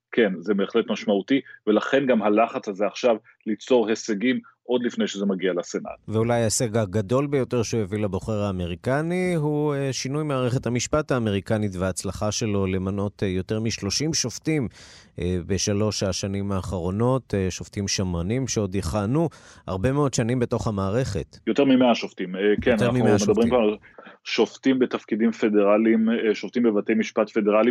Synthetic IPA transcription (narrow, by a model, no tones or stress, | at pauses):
kʰenzebeːχlet̪maʃmautivelaχe̞nɡamhalaχat͡shazeaχʃav | lit͡so̞ʁheseɡim | ʔo̞d̪lifne̞jʃezemaɡialasena̰tveulajaseɡaɡado̞lbejo̞te̞ʁʃeujevilabo̞χeʁaːme̞ʁikaniɦueʃinujmaːʁeχethamiʃpathaːme̞ʁ̞ikanitveaːt͡slaχaʃe̞lo̞le̞mano̞tjo̞te̞ʁmiʃlo̞ʃimʃo̞ftim | ebe̞ʃalo̞ʃaʃanimaːχaʁo̞no̞tʃoftimʃamanimʃeo̞d̪jeχanua̰ʁbe̞meo̞d̪ʃanimbeto̞χhamaːʁe̞χe̞̰tjoteʁmimeaʃoftimekenaamimeamed̪abʁimkanal | ʃoftimbetafkidimfedeʁalimeʃoft̪imbevatejmiʃpatfedeʁali